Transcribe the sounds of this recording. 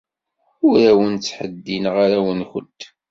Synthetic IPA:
ʊɾæwənt͡sːħəd̪ːinʁaɾæwənxənt̪

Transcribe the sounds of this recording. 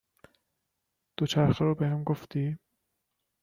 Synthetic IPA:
d̪̥ot͡ʃʰæɾxeɾɔbehæmɡoft̪i

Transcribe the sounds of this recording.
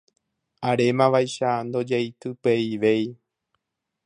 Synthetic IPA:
aɾe̞mãʋajʃand̪o̞d͡ʒejt̪ɨpeiʋe̞j

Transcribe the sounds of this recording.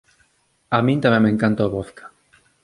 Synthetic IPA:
amĩnt̪amẽmːẽŋkant̪ooβoθkḁ

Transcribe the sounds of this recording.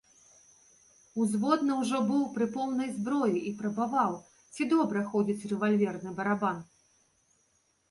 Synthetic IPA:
uzvɔd̪nɐwʐɔbɨwpɾɨpɔwnɐjzbɾɔjiʔipɾɐbavaw | t͡sʲid̪ɔbɾɐxɔd͡zʲit͡sʲrɛvalʲvʲɛrnɨbɐɾaban

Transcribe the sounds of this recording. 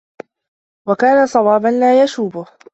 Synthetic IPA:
wakaːnasˤɑwɑːbanlaːjaʃuːbʊh

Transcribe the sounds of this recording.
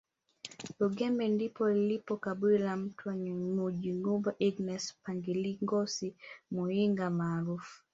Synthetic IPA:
lɔɡɛmbɛndipɔlilipɔkabwilam̩tʰwaɲuŋud͡ʒiŋubaʔiɡnɛspaŋɡiliŋɡɔsimuiŋɡamaːɾufu̥

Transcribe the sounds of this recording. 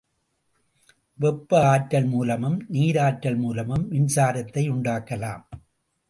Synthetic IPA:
ʋɛpːɯaːʈːɐlmuːlɐmɯmniːɾaːʈːɐlmuːlɐmɯmʋɪnsaːɾɐt̪ːɐɪʊɳɖaːkːɐla̰ːm

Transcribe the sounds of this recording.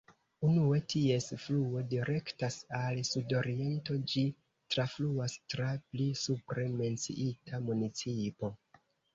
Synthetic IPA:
unue̞tie̞sfluo̞diɾe̞ktasalsudo̞ɾie̞nto̞d͡ʒi | tɾafluastɾaplisupɾe̞me̞nt͡sḭʔitʰamunit͡sipo̞

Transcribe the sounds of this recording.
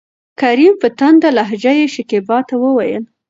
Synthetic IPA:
kaɾimpət̪and̪alaɦd͡ʒajeʃɪkebɑt̪awəwajə̰l

